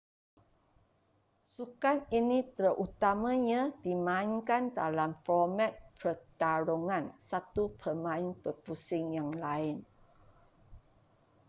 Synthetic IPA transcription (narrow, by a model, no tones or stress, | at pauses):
sukaninit̪əɾəʔut̪amãɲãdimãɪŋkandalamfɔmat̪̚pʰət̪aɾoŋãnsat̪upʰəmãɪnpəpusɪŋjaŋlaɪn